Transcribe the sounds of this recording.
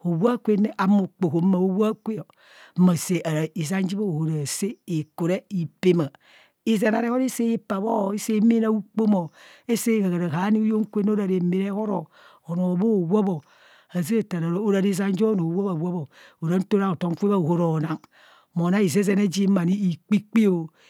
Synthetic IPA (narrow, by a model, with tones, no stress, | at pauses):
o˨wa˦kʷe˦n˦ʔa˨˦mo˨k͡po˨ho˨m˦ma˨o˦wa˦kʷe˦o˨˦ | ma˨se˨ʔa˨ɾa˨i˨za˦n˦d͡ʒi˦bo˦o˨ho˨ɾa˨se˦e˨ko˨ɾe˦i˨pe˦ma˨ | i˦ze˨na˨ɾe˦ho˦ɾe˦se˦i˦pa˨βo˦˨i˦se˦me˦na˦u˦k͡po˦mo˨e˦se˦˨ka˨ɡa˨ɾa˨ɦa˨˦ni˦o˦jo˦ŋ˦kʷe˦n˦o˦ɾa˨ɾe˨˦me˦ɾe˦ho˦ɾo˨ | o˨no˨bo˦˨wo˦bo˨ | a˨zi˦e˦ta˨ɾa˨ɾo˦o˦ɾa˨ɾi˦za˦n˦d͡ʒo˦no˨wo˦ba˨wo˦bo˨o˨ɾa˨˦n̩˦to˦ɾa˦o˨to˦ŋ˦ke˦βa˦o˨ho˦ɾo˨na˨ŋ | mo˨na˦i˨ze˦ze˦na˦d͡ʒi˦ma˨ni˦i˨k͡pi˦k͡pi˦o˨